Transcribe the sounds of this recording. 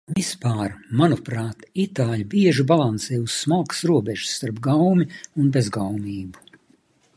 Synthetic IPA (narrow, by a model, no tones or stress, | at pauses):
vispaːɾmanupɾaːt̪it̪aːlʲbiɛʒibalˠansɛːjussmalˠksɾuɔbʲɛʒ̥sːt̪aɾpɡawmʲiunbezɡawmiːbu̥